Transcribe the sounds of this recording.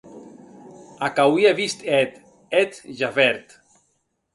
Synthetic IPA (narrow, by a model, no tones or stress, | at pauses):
akawiaβist̪ɛt̪ | ɛt̪ʒavɛɾt̪